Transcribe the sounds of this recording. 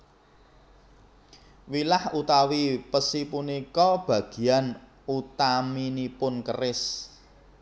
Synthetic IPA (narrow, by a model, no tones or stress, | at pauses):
wilahut̪awipəsipunikɔb̥ä̤ɡ̥i̤an | ut̪aminipʊnkərɪs